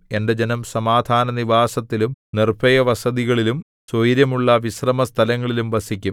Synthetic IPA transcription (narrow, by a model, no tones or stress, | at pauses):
e̞nde̞d͡ʑe̞nɐmsɐmaːd̪ʱaːnɐniʋaːsɐt̪ːilumnirbʰʱɐjɐʋɐsɐðiɣɐɭilum | sojɾjɐmuɭːɐʋisrɐmɐst̪ʰɐlɐŋːɐɭilumʋɐsikʲːum